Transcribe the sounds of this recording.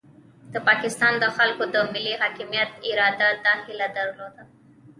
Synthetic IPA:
d̪̥əpɑkɪst̪ɑnd̪əxalkod̪əmɪliɦɑkɪmijat̪ɪɾɑd̪ad̪ɑhɪlad̪əɾlod̪a

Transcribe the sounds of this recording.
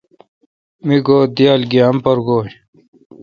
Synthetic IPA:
miɡoːd̪ijaːlɡiɐmpɐɾɡoːj

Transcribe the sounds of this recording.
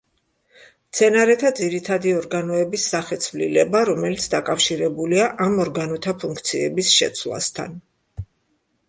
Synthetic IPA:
mt̪sʰɛnaɾɛt̪ʰad̪ziɾit̪ʰad̪iɔɾɡanɔɛbisːaχɛt̪sʰvlḭlɛbaɾɔmɛlit̪sʰd̪akʼafʃiɾɛbuliaʔamɔɾɡanɔt̪ʰapʰuŋk̚ʰt̪sʰiɛ̰bisʃɛ̰t̪sʰlˠa̰st̪ʰa̰n

